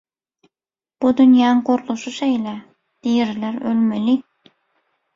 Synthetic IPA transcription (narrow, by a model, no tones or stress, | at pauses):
b̥ud̪ynjɑŋqoɾlˠuʃuʃejlæ | d̪̥ijɾlæɾølmeli